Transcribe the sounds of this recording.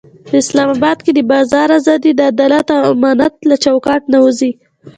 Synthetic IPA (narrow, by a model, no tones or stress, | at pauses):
pəɪslɑmɑbɑd̪̚ked̪əbɑzɑɾazɑd̪ed̪əad̪ɑlat̪awamɑnat̪̚lat͡ʃawkɑʈnawəzi